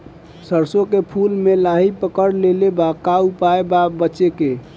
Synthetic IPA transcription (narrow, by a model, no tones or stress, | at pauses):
səɾsokepʰulmelaɦipəkəɾlelebakaupaebabətːʃeke